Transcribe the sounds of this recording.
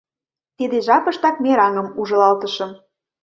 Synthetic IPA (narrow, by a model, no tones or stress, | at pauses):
t̪id̪eʒɑpɤ̆ʃt̪ɑk̪̚meɾɑŋɤ̆muʒɤ̆lɑlt̪ə̆ʃɤ̆m